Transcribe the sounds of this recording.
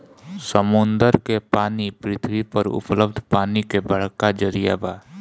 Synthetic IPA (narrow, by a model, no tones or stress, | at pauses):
səmʊnd̪əɾkepaːnipɾɪt̪ʰʋipəɾʊ̰pləb̚d̪ʱpaːnikebəɽ̤kːad͡ʒəɾijabaː